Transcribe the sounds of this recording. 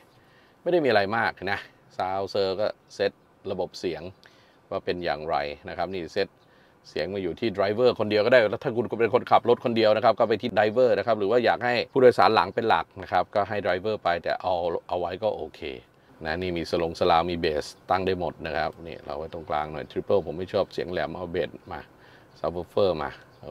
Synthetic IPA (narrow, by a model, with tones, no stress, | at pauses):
ma˥˩jda˥˩jmiː˧ʔɾa˧jmaː˥˩k̚na˦˥ | saː˧wsɤː˧kɔː˥˩se˦˥t̪̚ | ɾa˧bo˨˩p̚si˩˦əŋ | waː˥˩pe˧nja̰ː˨˩ŋɾa̰˧jna˦˥kʰa˦˥p̚niː˥˩se˦˥t̪̚ | si˨˩˦ŋmaː˥˩juː˨˩t̪ʰiː˥˩dɾa˧˥jwɤː˥˩kʰo˧ndi˧əwkɔ˥˩daː˥˩jlɛː˦˥t̪ʰa˥˩ku˧nkpe˧nkʰo˧nkʰa˨˩p̚ɾo˦˥t̪̚kʰo˧ndi˧əwna˦˥kʰa˦˥p̚kɔː˥˩p̬a˧jt̪ʰiː˥˩da˧˥jwɤː˥˩na˦˥kʰa˦˥ɾɯː˩˦waː˥˩jaː˨˩k̚ha˥˩jpʰuː˥˩doː˧jsaː˩˦nla̰˩˦ŋpe˧nla̰˨˩k̚na˦˥kʰa˦˥p̚kɔː˥˩ɦa˥˩jdɾa˧˥jwɤː˥˩pa˧jt̪ɛ̰ː˨˩ʔa˧wʔa˧wa˦˥jkɔː˥˩ʔoː˧kʰḛː˧ | na˦˥niː˥˩miː˧sa˧lo˧ŋsa˧laː˧wmiː˧beː˨˩st̪a˥˩ŋdaː˥˩jmo˨˩t̪̚na˦˥kʰa˦˥p̚nḭː˥˩ɾa̰˧wa˧˩t̪ɔ˥˩ŋkla̰ː˧ŋnɔ̰˨˩jt̪ʰɾi˦˥pːɤː˥˩pʰo˩˦mːa˥˩jt͡ɕʰɔː˥˩p̚si˩˦əŋlɛ˨˩˦mʔa˧beː˨˩t̪̚ma̰ː˧ | sa˧˦əː˧˥fɤː˥˩ma̰ː˧˩